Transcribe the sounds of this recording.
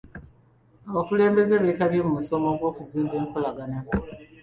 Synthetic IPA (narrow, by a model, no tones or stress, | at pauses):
aβakule̞ːmbe̞zeβetaβjemumuso̞mo̞ɡwo̞ːkuziːmbe̞ːŋko̞laɡana